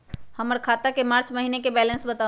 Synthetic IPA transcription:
həməɾkʰat̪akemaɾt͡ʃməɦinekebɛlənsbət̪a

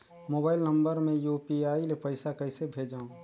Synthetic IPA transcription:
moːbaːɪlnə̃mbəɾmẽjupiaːilepəɪsakəɪsebʱeːd͡ʒaːõ

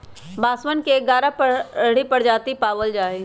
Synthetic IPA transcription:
baːswənkeɡaːɾapəɽ̤ipəɽ̤d͡ʒaːt̪ipaːʋəld͡ʒaːe

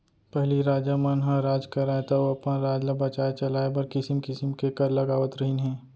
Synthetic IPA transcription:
pɛɦliɾaːd͡ʒamənɦãɾaːd͡ʒkɐɾaːet̪aoɐpnaɾaːd͡ʒləbɐt͡ʃaːet͡ʃɐlaːebɐɾkɪsɪmkɪsəmkekɐɾlɐɡaːʋət̪ɾɐɦinɦɛ̃ː

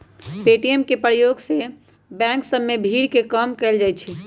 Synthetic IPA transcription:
peʈijemkepɾəjoɡse | bɛ̃ksəbːebʱiɽkekəmkɛld͡ʒajt͡ʃʰi

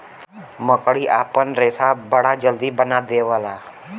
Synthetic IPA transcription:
məkɽiːʔa̰ːpənɾesabəɽ̤ad͡ʒəld̪iːbənad̪eʋəlaː

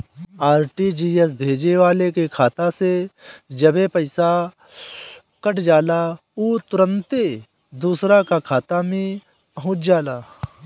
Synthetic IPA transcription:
aːɾʈid͡ʒiːes̬bʱeːd͡ʒeʋaːlekekʰaːt̪ased͡ʒɐbepəɪsa | kəʈd͡ʒaːla | uːt̪ʊɾə̃nt̪e | d̪uːsɾakakʰaːt̪amĩ | pɐɦʊ̃ːt͡ʃʰd͡ʒaːlaː

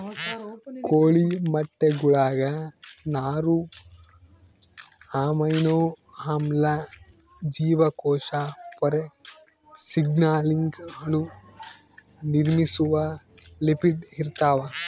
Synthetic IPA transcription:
koːɭimɐʈːeɡuɭaːɡɐnaːɾu | haːmɐjnoː | hamlɐ | d͡ʒiːʋɐkɔːʃapɔɾe | siɡnaːliŋɡɦɐɭu | niɾmisuʋɐlipiɖiɾt̪aːʋɐ

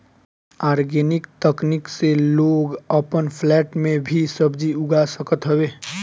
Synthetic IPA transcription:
aːɾɡenɪkt̪əknɪkseloːɡəpənpʰlɛːʈmẽbʱisəbd͡ʒiʊɡasəkət̪ɦəwe

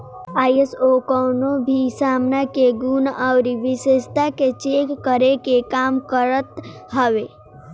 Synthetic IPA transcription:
aːjesokɔːnobʱisaːmnakeɡunawɾiʋɪʃest̪aket͡ʃeːkːəɾekekaːmkəɾət̪ɦəʋe

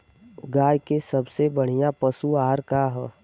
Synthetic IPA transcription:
ɡaːjkesɐbsebəɽ̤ijapəsuaːɾkaɦɛ

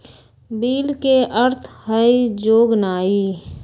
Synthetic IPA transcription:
biːlkeʔəɾt̪ʰhəid͡ʒoːɡnaːi

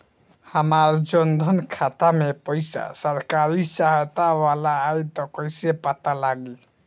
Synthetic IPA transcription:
həmaɾd͡ʒɔnd̪ʱənkʰat̪amepəjsa̰səɾkaɾisaɦjt̪awalaːjt̪ɔkəjsepat̪alaɡe

